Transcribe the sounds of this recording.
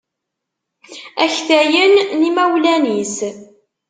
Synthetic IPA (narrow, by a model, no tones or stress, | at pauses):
æçθæjənːimæwlænis